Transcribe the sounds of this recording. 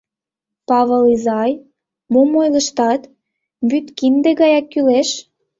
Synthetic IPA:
pɑβəlizɑj | momojləʃt̪ɑt̪ | byt̪kind̪eɣɑjɑkːyleʃ

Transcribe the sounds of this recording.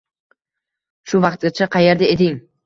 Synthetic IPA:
ʃʊvɑqt̪ʲɪt͡ʃʰaqʰɑjeɾd̪aet̪ɪŋ

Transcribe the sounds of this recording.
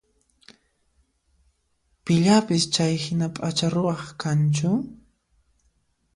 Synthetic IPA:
pɪʎapɪst͡ʃajhɪnapʼat͡ʃaɾʊwɑχkant͡ʃʊ

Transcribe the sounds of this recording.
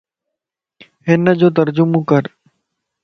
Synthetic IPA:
ɦɪnəd͡ʒoːt̪̬əɾd͡ʒʊmõːkəɾ

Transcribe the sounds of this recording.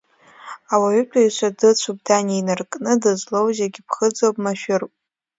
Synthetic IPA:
awaʕʏtʷʰʼaiʃʷadɨt͡ɕʷʰub̚daninɨrkʼnɨdɨzʷlowzaɡʲɪpʰχəd͡zowpʼmaʃᶣʊrpʼ

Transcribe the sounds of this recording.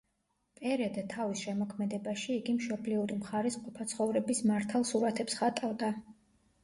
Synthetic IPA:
pʼɛɾɛd̪at̪ʰavisʃɛmɔkʰmɛd̪ɛbaʃiːɡimʃɔbliuɾimχaɾɛsqʼɔpʰat̪sʰχɔvɾɛbismaɾt̪ʰalˠsuɾat̪ʰɛpsχat̪ʼavd̪a

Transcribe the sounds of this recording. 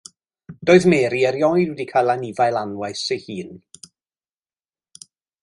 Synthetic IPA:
d̥oːɨðmɛːɾiɛɾjɔjdwɛdikʰajlˠanivajlˠanwajsejhiːn

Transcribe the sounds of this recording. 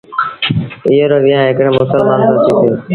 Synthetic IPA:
iɦoːɾoːʋiːãːɦɪkɽeːmʊsəlmaːnsat̪ʰĩːt̪eː

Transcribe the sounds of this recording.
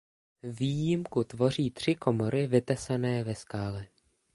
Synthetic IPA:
viːjɪmkut̪vo̞r̝iːt̪r̝̥ɪkʰo̞mo̞ɾɪvɪt̪ɛsanɛːvɛskaːlɛ

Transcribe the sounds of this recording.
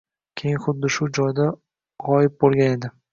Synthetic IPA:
kʲʰejɪnχʊd̪ːɪʃʊd͡ʒɒjd̪a | ʁɒjɪp̚bolˠɡʲane̞d̪ɪ

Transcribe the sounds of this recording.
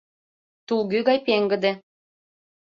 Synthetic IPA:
t̪ulɣyɣɑjpeŋɡə̆d̪ĕ

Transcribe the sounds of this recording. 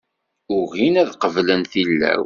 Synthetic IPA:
ʊɣinæðqəvlənθilːæ̰w

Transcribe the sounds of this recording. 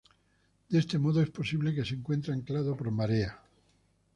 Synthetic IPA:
d̪̥e̞st̪e̞mo̞ðoe̞spo̞siβle̞ke̞seŋkwe̞nt̪ɾeeŋklaðopoɾmaɾea

